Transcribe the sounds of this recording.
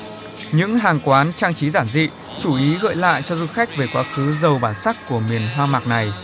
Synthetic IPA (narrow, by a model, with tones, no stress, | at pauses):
ɲɨ̰˧˥ŋɦaː˨˩ŋkwaː˨˦nt͡ɕaː˧ŋt͡ɕi˨˦zaː˧˩nzḭ˧˨ | t͡ɕu˧˩ʔi˨˦ɣə̰ː˧˨jla̰ː˧˨jt͡ɕɔ˧zu˧xa˦˥jk̟̚ve˨˩kwaː˨˦xɨ˨˦zə˨˩wɓaː˧˩nsa˦˥kkːu˧˩əmi˨˩ənɦwaː˧ma˨˩k̚na˨˩j